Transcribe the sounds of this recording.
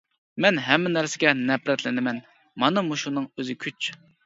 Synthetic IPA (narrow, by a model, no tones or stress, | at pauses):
mɛnɦɛmːɪnæɾsɪɡʲɛnɛpɾɛt̪lɪnɪmɛn | mɑnɨmuʃunɨŋøzɪkʲʰyt͡ʃ